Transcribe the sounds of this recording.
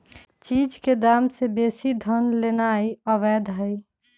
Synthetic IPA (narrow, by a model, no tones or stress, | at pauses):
t͡ʃid͡ʒked̪amsebesid̪ʱənlenaiəʋɛd̪ʱɦəj